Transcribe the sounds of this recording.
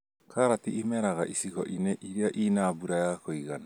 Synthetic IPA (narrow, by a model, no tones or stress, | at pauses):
kʰaɾatiʔːmɛɾaɣaʔisikɔ̰ʔineʔiɾiaʔinabuɾajakoiɣana